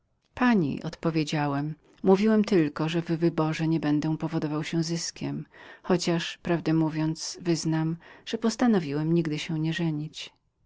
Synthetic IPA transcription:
paɲḭʔɔ̰t̪pɔvʲjed͡ʑawɛmː | uvʲiwɛmt̪ɘlkɔʐɛvːɘbɔʐɛɲɛbɛnd̪ɛpɔvɔd̪ɔvawɕɛzɘskʲʰɛmxɔt͡ɕaʂpɾavd̪ɛmuvʲjɔnt̪svɘznamʐ̥ɛpɔst̪anɔvʲiwɛmɲiɡd̪ɘɕɛɲɛʐɛɲit͡ɕ

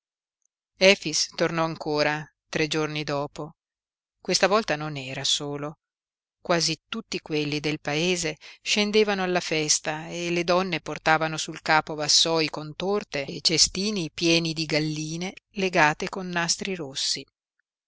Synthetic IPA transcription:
ɛːfist̪ornɔaŋkʰoːɾa | t̪ɾed͡ʒornid̪ɔːpo | kwest̪avɔlt̪anonɛːɾasoːlo | kwaːzit̪ut̪ːikwelːid̪elpaeːzeʃend̪eːvanoalːafɛst̪aeled̪ɔnːeport̪aːvanosulkaːpovasːɔːjkont̪ort̪et͡ʃest̪iːnipjɛːnid̪iɡalːiːneleɡaːt̪ekonːast̪ɾiɾosːi

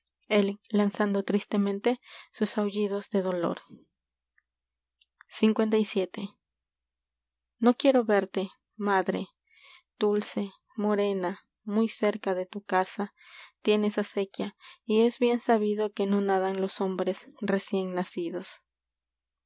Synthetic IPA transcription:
e̞llansand̪o̞t̪ɾist̪e̞mẽnt̪e̞susawʝiðo̞zðe̞ðo̞lo̞̰ɾ | siŋkwe̞nt̪ajsje̞t̪e̞ | no̞kje̞ɾo̞βe̞ɾt̪e̞ | maðɾḛ | d̪̥ulse̞ | mo̞ɾe̞na | mujse̞ɾkaðe̞t̪ukasa | t̪je̞neesase̞kjaie̞zβje̞nsaβiðo̞ke̞no̞naðanlo̞so̞mbɾe̞sre̞sje̞ŋnasiðo̞s

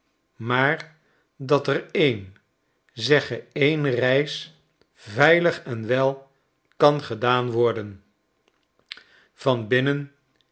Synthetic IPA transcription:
maːɹ | dɑtərejn | zɛχəejnrɛjs | vɛjləχɛnʋɛlˠ | kɑnχədaːnʋɔɹdən | v̥ɑnbɪnən

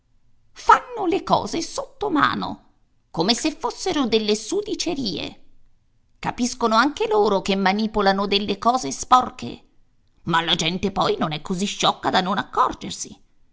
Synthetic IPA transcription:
fanːolekɔ̰ːzesot̪ːoma̰ːno̰ | komesefːosːeɾod̪elːesud̪it͡ʃeɾiːḛ | kapiskonoaŋkeloːɾokemːaniːpolanod̪elːekɔːzespɔrkʰḛ | malːad͡ʒɛnt̪epɔjnonɛkːoziʃːɔkːad̪anonakːɔrd͡ʒersḭ

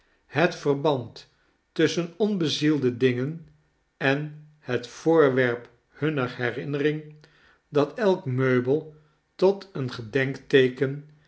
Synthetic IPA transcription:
hətfərbɑntː | ʏsənɔnbəzilˠdədɪŋən | ɛn | hətfʊːɹʋɛɹp | hɵnəɹhɛrɪnərɪŋ | dɑtɛlˠkmøɥbəlˠ | tɔtənχədɛŋktejkən

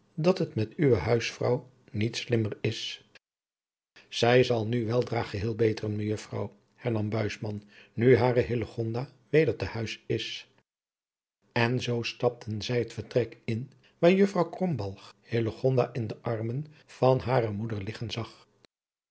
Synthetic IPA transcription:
dɑtɦətmɛtyʋəɦœɥsfrɑ̰w | nitslɪmərɪs | z̥ɛjzɑlˠnyʋɛlˠdraːχəɦɪːlˠbejtərənməjɵfrɑ̰w | hɛɹnɑmbœɥsmɑnnyɦaːrəɦɪləχɔndaː | ʋejdəɹtəhœɥsɪs | ɛnzowstɑp̚tʰənzɛjɦətfəɹtrɛkɪn | ʋaːɹjɵfrɑwkrɔmbɑlˠχhɪləχɔnda̰ːʔɪndəʔɑɹmənv̥ɑnɦaːɾəmudəɹlɪχənzɑχ

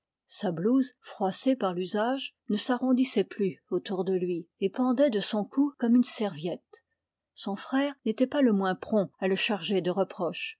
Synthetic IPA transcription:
sabluzfχwasepaʁlyzaʒ | nəsaʁɔ̃d̪isɛplyot̪uʁd̪əlɥiepɑ̃d̪ɛd̪əsɔ̃kukɔmynsɛʁvjɛt̪ | sɔ̃fχɛːʁnet̪ɛpaləmwɛ̃pχɔ̃aləʃaʁʒed̪əʁəpχɔʃ

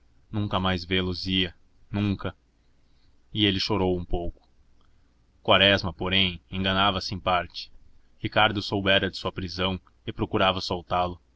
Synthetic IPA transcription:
nũŋkɐmajzvelʊziɐ | nũŋkɐ | ɪelɪʃoɾowũpowkʊ̥ | kwaɾɛzmɐpoɾẽj̃ẽŋɡɐnavɐsɪẽj̃paɾt͡ʃɪ̥ | hikaɾd̪ʊsowbɛɾɐd̪ɪsuɐpɾizɐ̃w̃ | ɪpɾokuɾavɐsowt̪alʊ

